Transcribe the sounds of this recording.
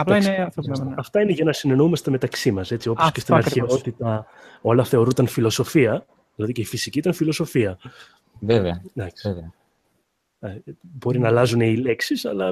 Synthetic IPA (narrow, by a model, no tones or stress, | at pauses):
ɐplɐineɐθopnɐɐft̪ɐine̞ʝɐnɐsine̞noumɐst̪eme̞t̪ɐksimɐse̞t͡siooskcest̪iɐɾçeo̞t̪it̪ɐo̞lɐθe̞o̞ɾunt̪ɐnfilo̞so̞fiɐ | ðilɐðiceifisiciit̪ɐnfilo̞so̞fiɐ | veveɐd̪ɐkseveɐ | bo̞ɾinɐlɐzune̞ile̞ksisɐlɐ